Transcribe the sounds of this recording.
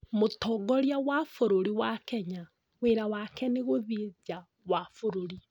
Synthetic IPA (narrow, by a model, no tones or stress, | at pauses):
motɔɡɔɾjawafoɾoɾiwakɛɲa | weɾawakɛneɣoðid͡ʒa | wafoɾoɾi